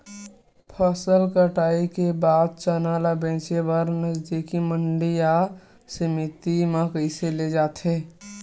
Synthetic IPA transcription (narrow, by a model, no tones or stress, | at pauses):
pʰəsəlkəʈaːikebaːd̪̚t͡ʃənalabẽt͡ʃebəɾnəd͡ʒd̪ikiməɳɖija | səmit̪imekəɪseled͡ʒaːt̪ɦe